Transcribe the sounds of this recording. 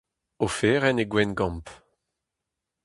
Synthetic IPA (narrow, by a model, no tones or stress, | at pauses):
ofeːʁɛneɡwɛnɡɑ̃mp